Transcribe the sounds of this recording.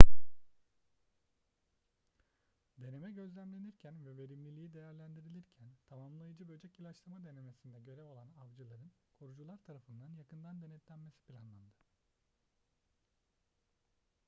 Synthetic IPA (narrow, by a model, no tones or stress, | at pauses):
d̪e̞ne̞mɛɟøzlʲæmlʲe̞niɾcʰænvɛve̞ɾimlʲilʲijid̪ejæɾlʲænd̪iɾilʲiɾcʰænt̪ʰamamlˠajɯd͡ʒɯbø̞d͡ʒɛcilˠat͡ʃlˠamad̪e̞ne̞me̞sind̪ɛɟø̞ɾɛvo̞lˠanavd͡ʒɯlˠaɾɯnkʰoɾud͡ʒulˠaɾt̪ʰaɾafɯnd̪anjakʰɯnd̪and̪e̞nɛt̪lʲænmesi̥pʰilʲa̰nlˠand̪ɯ